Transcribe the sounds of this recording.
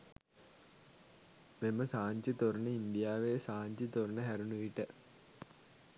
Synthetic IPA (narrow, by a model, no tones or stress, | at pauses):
meməsaːɲt͡ɕit̪oɾunəind̪ijaːʋesaːɲt͡ɕit̪oɾunəɦæɾunuʋiʈə